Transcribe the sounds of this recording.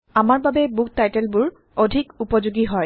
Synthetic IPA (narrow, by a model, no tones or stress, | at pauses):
amaɹbabɛbuk̚tajtɛlbʊɹ | odʱikupɔzuɡiɦɔj